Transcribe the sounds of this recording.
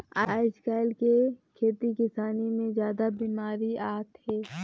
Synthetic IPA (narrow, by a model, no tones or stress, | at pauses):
aːɪskaːɪlkekʰeːt̪ikɪsaːnimẽzjaːd̪abiːmaːɾiaːt̪hɛː